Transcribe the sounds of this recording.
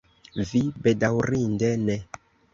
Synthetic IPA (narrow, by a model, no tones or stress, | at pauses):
vibɛdawrindɛnɛ